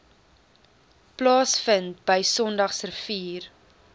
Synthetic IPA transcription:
plɑːsfəntbəjsɔndɐχsrəfiːr

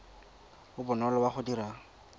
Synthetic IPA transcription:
ʊbʊnɔlɔbaχʊdiɾa

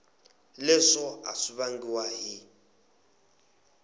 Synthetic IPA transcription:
lɛʂɔa̰siβaŋɡiwaɦi

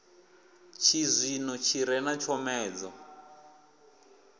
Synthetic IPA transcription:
t͡ʃʰizʷinɔt͡ʃʰiɾɛnat͡ʃʰɔmɛːd͡zɔ

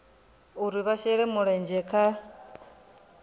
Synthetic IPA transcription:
uɾiβaʃɛɺɛmuɺɛnd͡ʒɛkʰa

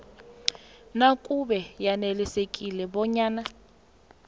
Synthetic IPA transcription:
nakʼubɛjanɛlɛsekʼilɛbɔɲaːna

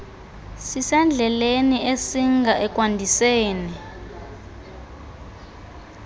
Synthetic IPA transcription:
sisɛnd͡ɮʱɛleniʔesiŋɡʱaʔɛk̬ʼwandʱiseːni

